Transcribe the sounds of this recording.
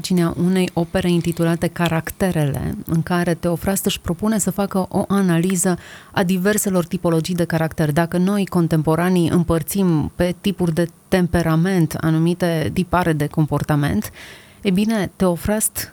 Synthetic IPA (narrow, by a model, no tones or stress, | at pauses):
t͡ʃineaʔune̞jʔo̞pe̞ɾe̞int̪it̪ulat̪e̞kaɾakt̪e̞ɾe̞le̞̰ɨ̰ŋkaɾe̞t̪e̞o̞fɾast̪ɨʃʲpɾo̞punesəfakəʔo̞ʔanalizəad̪ive̞rse̞lo̞rt̪ipo̞lo̞d͡ʒijd̪e̞kaɾakt̪erd̪akəno̞jko̞nt̪e̞mpo̞ɾaniʔɨ̰mpərt̪simpe̞t̪ipurʲd̪e̞t̪e̞mpe̞ɾame̞nt̪a̰numit̪e̞t̪ipaɾe̞d̪e̞ko̞mpo̞rt̪ame̞̰nt̪ | ebine̞t̪e̞o̞fɾast̪